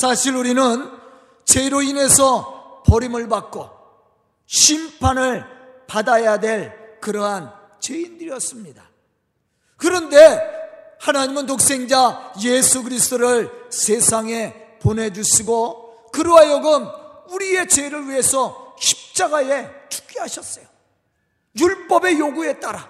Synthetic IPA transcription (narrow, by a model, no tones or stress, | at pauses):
sʰaɕʰiɾuɾinɯn | t͡ɕe̞iɾoine̞sʰʌpʌɾimɯɭbak͈̚o | ɕʰimpʰanɯɭpadajadwe̞ɭkɯɾʌɦan | t͡ɕeindɯɾijʌs͈ɯmɲida | kɯɾʌnde̞ | hanaɲimɯntok̚s͈e̞ŋd͡ʑajesʰuɡɯɾisʰt͈oɾɯɭsʰe̞sʰaŋe̞pone̞d͡ʑuɕʰiɡo | kɯɾoajoɡɯmuɾie̞t͡ɕeɾɯɭɥiɦe̞sʰʌɕʰi̥p̚t͡ɕ͈aɡae̞tʰu̥k͈iɦaɕʰʌs͈ʌjo | juɭp͈ʌbe̞joɡue̞t͈aɾa